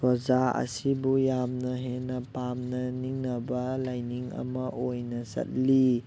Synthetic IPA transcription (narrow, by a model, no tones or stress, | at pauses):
ɾɔzaɐ̰sibujamnɐɦenɐpamnɐniŋnɐbɐlajniŋɐ̰mɐʔojnɐsɐ̰t̚li